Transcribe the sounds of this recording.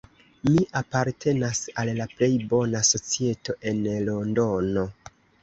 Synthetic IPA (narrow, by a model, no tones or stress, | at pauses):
miʔapaɾtʰe̞nasallaple̞jbo̞naso̞t͡sie̞to̞ʔe̞nlo̞ndo̞no̞